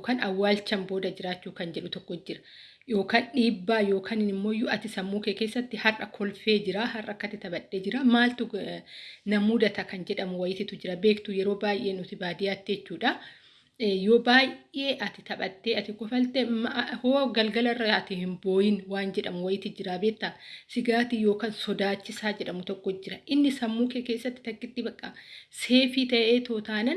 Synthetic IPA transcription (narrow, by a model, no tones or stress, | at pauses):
kaːnɐwːaːlt͡ʃːɐmboːd̪ɐd͡ʒɪɾaːt͡ʃːuːkɐnd͡ʒɛᶑʊt̪ɔkːɔd͡ʒːɪɾɐ | jo̞ːkaːnᶑiːbːaːjo̞ːkʰaːnɪnɪmːo̞ːjːʊɐt̪ɪsɐmːuːkeːke̞ːsːɐt̪ːɪhɐrːɐkʰɔlfeːd͡ʒɪɾaːɦɐrːɐkːɐt̪ɪt̪ɐbɐᶑːeːd͡ʒɪɾaːmaːlt̪ʊ | nɐmuːd̪ɐt̪ɐkɐnd͡ʒɛᶑɐmʊwɐjɪt̪ɪt̪ʊd͡ʒɪɾɐbeːkt̪ʊjɛɾo̞ːbaːjʔe̞ːnʊt̪ɪbaːd̪ɪjaːt̪ːɪɛt͡ʃːuːᶑɐ | joːbaːjʔe̞ːʔɐt̪ɪt̪ɐbɐt̪ːeːɐt̪ɪkʼɔfɐlt̪ɛmhoːɡɐlɡɐlɐrːɐɐt̪ɪhɪmbo̞ːjɪnwaːnd͡ʒɛᶑɐmʊwɐjɪt̪ɪd͡ʒɪɾaːbeːk̚t̪ːɐsɪɡaːt̪ɪjo̞ːkɐnsɔd̪aːt͡ʃːɪsaːd͡ʒɛᶑɐmʊt̪ɔkːɔɪd͡ʒːɪɾɐʔɪnːɪsɐmːuːkekeːsːɐt̪ːɪ̥t̪ɐkːɪt̪ːɪbɐkʼːɐse̞ːfiːt̪ɐʔe̞ːt̪oːt̪aːnɐn